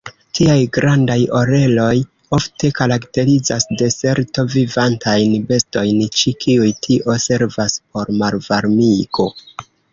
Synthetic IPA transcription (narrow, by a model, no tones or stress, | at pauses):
tʰiajɡɾandajo̞ɾe̞lo̞j | o̞fte̞kaɾakte̞ɾizasde̞se̞ɾto̞vivantʰajnbe̞sto̞jnt͡ʃikʰiujtʰiʔo̞se̞ɾvaspo̞ɾmaɾvaɾmiko̞